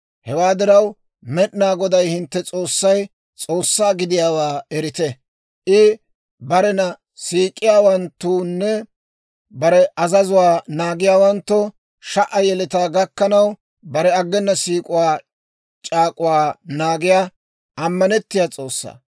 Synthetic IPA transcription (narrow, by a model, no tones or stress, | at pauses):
hɛwaːd̪ɪɾɐw | mɛʔnaːɡɔd̪ɐjhɪnt̪ːɛt͡sʼo̞ːsːɐj | t͡sʼo̞ːsːaːɡɪd̪ɪjaːwaːɛɾɪt̪ɛ | ʔɪ | bɐɾɛnɐ | siːkʼɪjaːwɐnt̪ːuːnːɛ | bɐɾɛɐzɐzʊwaːnaːɡɪjaːwɐnt̪ːɔ | ʃɐʔɐjɛlɛt̪aːɡɐkːɐnɐw | bɐɾɛɐɡːɛnːɐsiːkʼʊwaː | t͡ʃʼaːkʼʊwaːnaːɡɪjaː | ʔɐmːɐnɛt̪ːɪjat͡sʼo̞ːsːa̰ː